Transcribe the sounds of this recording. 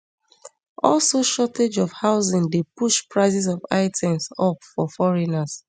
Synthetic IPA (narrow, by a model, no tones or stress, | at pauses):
ɔlsoʃɔted͡ʒɔfhaʊzĩndepuʃpɹaɪzis̬ɔva̰ɪtʰɛ̃msɔpfɔfɔɹinas